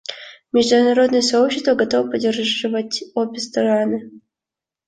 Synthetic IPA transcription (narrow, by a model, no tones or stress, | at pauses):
mʲɪʐd̪unɐɾo̞d̪nəjəsɐopɕːɪst̪vəɡɐt̪ovpɐdʲerʐɨvətʲobʲɪst̪ɐɾanɨ